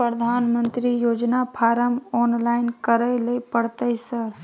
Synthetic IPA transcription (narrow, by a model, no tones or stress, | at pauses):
pɾəd̪ʱanmənt̪ɾijod͡ʒnapʰaɾəmɔnlaɪnkəɾəjlepəɽt̪əjsəɾ